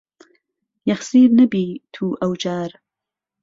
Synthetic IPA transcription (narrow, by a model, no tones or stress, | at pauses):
jɐxsiːɾnɐbiːt̪ʰuːʔɐwd͡ʒaːɾ